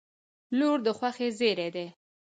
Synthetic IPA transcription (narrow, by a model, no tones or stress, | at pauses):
loɾd̪əxwaxezeɾed̪e